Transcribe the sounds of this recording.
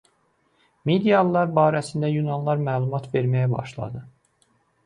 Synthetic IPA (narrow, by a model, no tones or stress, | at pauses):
med̪ijɑlˠːɑɾbɑːɾæsind̪æjunɑnlˠɑɾmæːlˠumɑt̪ʰve̞ɾmæjæbɑ̰ʃlˠɑ̰d̪ɯ